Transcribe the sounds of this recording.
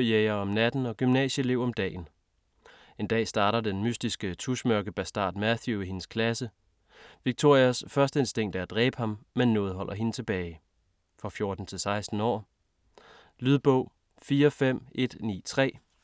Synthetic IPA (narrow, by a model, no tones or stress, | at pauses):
jeɪɐɒ̽mnæd̥n̩ɒ̽ɡ̥ymnɛ̰ːɕəle̝ʊ̰ɒ̽md̥ɛ̰ːn̩ | e̝nd̥ɛ̰ːsd̥ɑ̈ːɾɐd̥enmysd̥isɡ̥ət͡sʰuɕmœɐɡ̥əb̥æsd̥ɑ̰̈ːd̥mæθjuihe̝nəskʰlæsə | ʋiɡ̥̚t͡sʰo̝ɐ̰iæsfɶɐsd̥əe̝nsd̥e̝ŋ̰d̥æd̥ʁɛ̰ːb̥hɑ̈mːenːɔ̽ːð̩ˠɦɒ̽l̰ʔɐɦe̝nət͡sʰe̝b̥ɛːɪ | fʁɑ̈fjo̝ːɐd̥n̩t͡sʰe̝lsɑ̈ɪsd̥n̩ɒ̰ː | lyðˠb̥ɔʊ̰ | fiːɐfem̰e̝d̥nḭːt͡sʰʁɛ̰ː